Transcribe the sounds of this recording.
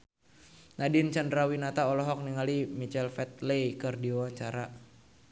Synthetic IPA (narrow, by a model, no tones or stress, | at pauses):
nadɪnt͡ʃandɾawinat̪aɔlɔɦɔk̚niŋalimit͡ʃɛlfɛt̪̚lejkərdiawaɲt͡ʃaɾa